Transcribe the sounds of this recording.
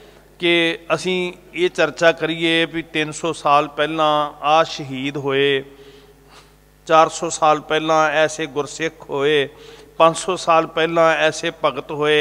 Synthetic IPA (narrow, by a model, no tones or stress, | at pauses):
kɪəsĩːeːt͡ʃəɾt͡ʃaːkəɾiːeːbit̪ɪnsoːsaːlpɛːlãːaːʃəɦiːd̪ɦoːeː | t͡ʃaːɾsoːsaːlpɛːlãːɛːseːɡʊɾsɪkʰɦoːeːpə̃ɲd͡ʒsoːsaːlpɛːlãːɛːseːpəɡət̪ɦoːeː